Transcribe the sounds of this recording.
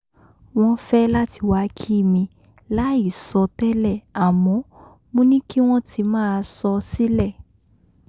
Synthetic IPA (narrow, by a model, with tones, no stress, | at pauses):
w̃ɔ̃˦fɛ˦la˦tʰi˧wa˧˦kʰi˦˨mĩ˧ | la˦i˦˨sɔ˧tɛ˦lɛ˦˨a˨mɔ̃˨˦ | mũ˦nĩ˦ki˦w̃ɔ̃˦tʰi˧mãː˦˧sɔ˧si˦lɛ˦˨